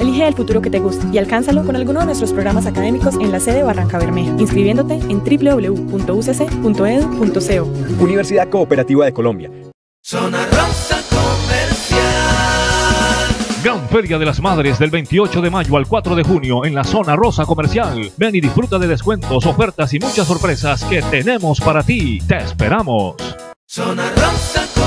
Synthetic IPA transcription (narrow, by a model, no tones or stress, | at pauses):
eliɦeeːlfut̪uɾo̞ke̞t̪e̞ɣust̪ḁialkansalo̞ko̞nalɡunozðenwest̪ɾospɾo̞ɣɾamasakaðe̞miko̞se̞nlase̞ðearʔaŋkaβeɾmeinskɾiβje̞nd̪ot̪e̞ent̪ɾiple̞ðo̞βle̞upunt̪o̞usesepunt̪o̞eðupunt̪oseuuniβeɾsiðaðko̞ːpeɾat̪iβaðe̞ko̞lõ̞mbja̰ | sonarosakomeɾsja | ɡɾaɱfe̞ɾjað̞e̞lazmaðɾe̞zðe̞lbe̞jnt̪io̞t͡ʃo̞ðe̞maʝoalkwat̪ɾo̞ðe̞xunjo̞e̞nlaso̞naro̞sako̞me̞ɾsjal | be̞niðisfɾut̪aðe̞ð̞eskwe̞nt̪o̞so̞fe̞ɾt̪asimut͡ʃas̬ːo̞ɾpɾe̞saske̞t̪ene̞mo̞spaɾat̪it̪e̞ːspeɾamos | sonarosa